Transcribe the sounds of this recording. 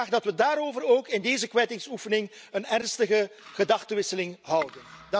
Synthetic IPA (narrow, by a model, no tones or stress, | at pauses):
aːɣdɑtʋədaːɾoːvəroːkɪndeːzəkʋɛjtɪŋsufənɪŋ | ənɛrnstəɣəɣədɑxtəʋɪsəlɪŋɦʌwdən